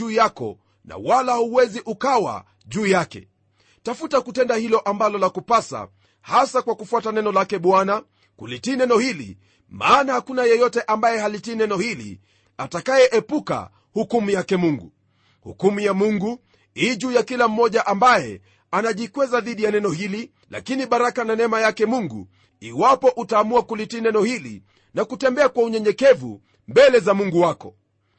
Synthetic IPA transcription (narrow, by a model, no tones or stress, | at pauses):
uːjakɔ̰ | na̰walahuwɛziʔukawa̰ | ʄuːjakɛ̰ | tafutakutɛndahilɔʔambalɔlakupasa̰ | hasakwakufuatanɛnɔlakɛɓwana | kulitiːnɛnɔhilḭ | maːnahakunajɛjɔtɛʔambajɛhalitiːnɛnɔhilḭ | atakajɛʔɛpuka̰ | hukumujakɛmuŋɡu | hṵkumujamuŋɡu | iʄujakilam̩mɔʄaʔambajɛ | anaʄikwɛzaðiɗijanɛnɔhili | la̰kiniɓaɾakananɛmajakɛmuŋɡṵ | iwapɔʔutaːmuakulitiːnɛnɔhilḭ | nakutɛmbɛakwauɲɛɲɛkɛvṵ | mbɛlɛzamuŋɡuwakɔ